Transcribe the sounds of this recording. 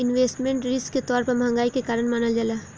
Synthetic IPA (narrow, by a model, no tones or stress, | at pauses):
ɪnʋeːsʈmẽɳʈɾɪsket̪ɔːɾpɐɾbʱɐ̃ŋɡaːikekaːɾənmaːnəld͡ʒalaː